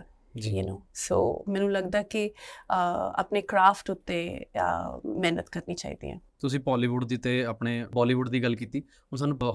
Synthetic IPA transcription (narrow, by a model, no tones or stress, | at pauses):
d͡ʒinoːso̰ːmɛ̃ːnũːləɡd̪aːkɪ | a̰ːpneːkɾaːfʰʈʊt̪ːeː | mɛːnə̰t̪kəɾniːt͡ʃaːḭːd̪ḭːɦɛ̰̃ːt̪ʊs̬ĩːpɔːliːʋʊɖd̪iːt̪ːeːaːpɳeːbɔːliːʋʊɖd̪iːɡəlkiːt̪iː | ʊns̬aːnũb